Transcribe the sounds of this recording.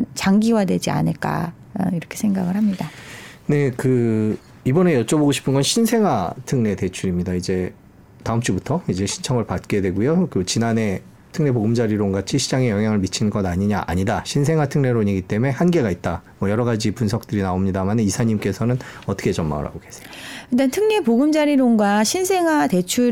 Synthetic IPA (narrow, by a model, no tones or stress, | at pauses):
t͡ɕaŋɡiwadwe̞d͡ʑia̰nɯɭk͈a̰ | iɾʌkʰesʰeŋɡaɡɯɭɦhamɲida | ne̞kɯ | ibʌne̞jʌt͡ɕ͈ʌboɡoɕʰi̥pʰɯnɡʌnɕʰinsʰe̞ŋɦatʰɯŋne̞te̞t͡ɕʰuɾimɲidaid͡ʑe̞ | taɯmt͡ɕ͈ibutʰʌid͡ʑe̞ɕʰint͡ɕʰʌŋɯɭpat̚k͈e̞dwe̞ɡujokɯt͡ɕinane̞ | tʰɯŋne̞boɡɯmd͡ʑaɾiɾoŋɡat͡ɕʰiɕʰid͡ʑaŋejʌŋjaŋɯɭmit͡ɕʰinɡʌnaɲiɲaʔa̰ɲidaɕʰinsʰe̞ŋɦwatʰɯŋne̞ɾoɲiɡit͈e̞me̞hanɡe̞ɡait̚t͈amwʌjʌɾʌɡad͡ʑipunsʰʌk̚t͈ɯɾinaomɲidamanɯnisʰaɲimk͈e̞sʰʌnɯnʌt͈ʰʌ̥kʰe̞t͡ɕʌmːa̰ŋɯ̰ha̰ɡoke̞sʰe̥it͈antʰɯŋne̞poɡɯmd͡ʑaɾiɾoŋɡwaɕʰinsʰe̞ŋɦwate̞t͡ɕʰu